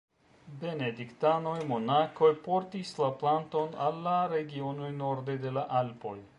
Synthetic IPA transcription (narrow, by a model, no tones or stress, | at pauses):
be̞ned̪ikt̪anojmonakojpoɾt̪islaplant̪o̞nalːaɾeɡionujnoɾd̪ed̪e̞laʔalpo̞j